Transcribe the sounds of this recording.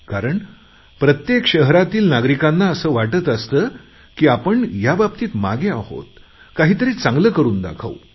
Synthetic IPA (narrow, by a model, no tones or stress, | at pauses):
kaɾəɳ | pɾət̪jekɕəɦɾat̪iːlnaɡɾikanːaəsəːʋaʈət̪əst̪əː | kiːapəɳjabab̚t̪iːt̪ma̰ɡeaho̰t̪̚ | kaɦiːt̪əɾiːt͡sãŋɡləkəɾuːnd̪a̰kʰa̰u